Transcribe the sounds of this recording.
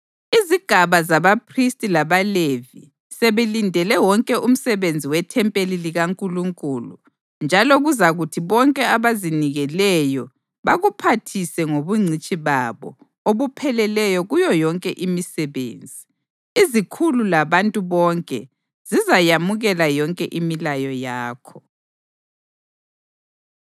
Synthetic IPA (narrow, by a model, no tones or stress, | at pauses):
iziɡ̥ʱaβazaβapʰristʼilaβalevi | seβelindʱɛlɛwɔŋkʼɛʔum̩sɛβend͡zʱiwɛtʰɛmpʼeliliɣaŋkʼuluŋkʼulṵ | nd͡ʒʱalɔɣuzaɣutʰiβɔŋkʼɛaβaziniɣɛlɛjɔ | βaɣupʰatʰisɛŋoβuŋ͡ǀʱit͡ʃʼiβaβɔ̰ | oβupʰɛlɛlɛjɔɣujɔjɔŋkʼɛʔimisɛβḛːnd͡zʱiː | zikʰululaβantʼuβɔŋkʼɛ̰ | z̥izajamuɣɛlajɔŋkʼɛʔimilajɔjaːkʰɔ